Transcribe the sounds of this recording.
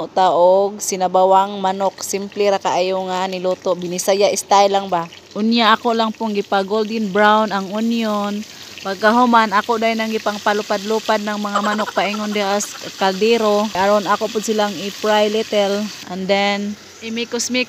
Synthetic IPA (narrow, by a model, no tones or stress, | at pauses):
ʔt̪aʔoɡ̚sɪnabawaŋmanok̚sɪmpliɾakaʔajoŋanɪluːt̪oʔbɪnisajaʔɪst̪ajlaŋba | ʔʊnjaʔakoʔlaŋpʊŋɡɪpaɡold̪ɪnbɾawnaŋʊnjon | paɡ̚kaɦomanʔakoʔd̪ajnaŋɡɪpaŋpalʊpad̪lupad̪̚naŋmaŋamanok̚paʔiŋond̪ɛaskald̪iɾoʔaɾonakoʔpʊd̪sɪlaŋɪpɾajlɛt̪ɛlʔɛnd̪ɛn | ɪmikʊsmi